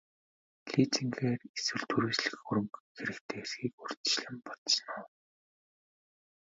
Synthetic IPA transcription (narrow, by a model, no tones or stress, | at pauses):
ɮit͡siŋɡeːreswɘ̆ɮt̪ʰuɾiːt͡ɕɮɘ̆xxuɾɵ̆mkxeɾɘ̆kt̪ʰeːesxiːkur̥t̪t͡ɕɮə̆mpɔt̪snaː